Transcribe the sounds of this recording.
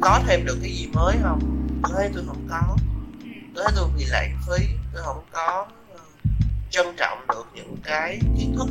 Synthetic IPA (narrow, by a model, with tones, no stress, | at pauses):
kɔ˨˦t̪ʰe˧mɗɨ˨˩k̚ːaː˨˦jzi˨˩məː˨˦jhə˧wŋ͡ma˨˦jt̪o˧jɦə˧˩wŋ͡mkɔ˨˦˧ | t̪ʰe˨˦jt̪o˧jɓḭ˧˨la̰ː˧˨ŋfi˧t̪o˧jhə̰˧˥˩wŋ͡mkɔ˨˦˧ | t͡ɕə˧nt͡ɕɔ̰˧˨wŋ͡mɗɨ˨˩ək̚ɲɨ̰˧˥ŋkaː˨˦jt̪i˦ət̪ʰɨ˦˥k̚